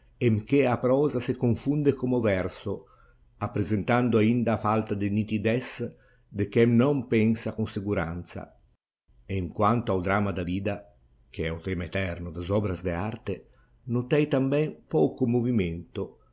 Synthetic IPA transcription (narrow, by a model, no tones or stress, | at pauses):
emk̟eapɾɔːzasekoɱfund̪ekomovɛɾso | apːɾezent̪and̪oaind̪aːfalt̪ad̪ɪnit̪id̪ɛs | d̪ek̟ɛmnɔmpɛnsakunsekuɾa̰nt̪sa̰ | eiŋkwant̪oawd̪ɾamad̪aviːd̪a | k̟eɛut̪ɛmaet̪ɛrnod̪azɔbɾazd̪eaɾt̪e | not̪ɛjt̪ambɛnpɔkomoviment̪o